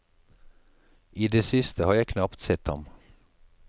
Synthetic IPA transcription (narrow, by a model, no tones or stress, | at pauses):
iːd̪eːsɪst̪ʰəhɑːjæɪkʰnɑpt̪sɛt̪hɑ̰m